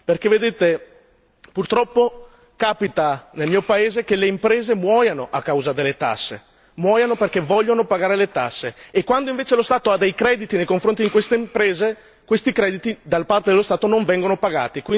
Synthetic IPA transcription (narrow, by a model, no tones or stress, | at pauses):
perkevːed̪eːt̪e | purt̪ɾɔpːo | kaːpit̪anelmiːopaeːzekeleimpɾeːzemwɔːjanoʔakːawzad̪elːet̪a̰sːḛ | mwɔːjanoperkevɔʎːonopaɡaːɾelet̪a̰sːeːkːwand̪oĩɱveːt͡ʃelost̪aːt̪oad̪ejkɾɛd̪it̪inejkoɱfɾont̪id̪iŋkwest̪eimpɾeːze | kwest̪ikɾɛːd̪it̪id̪alapart̪ed̪elost̪aːt̪onoɱvɛŋɡonopaɡa̰ːt̪ikwi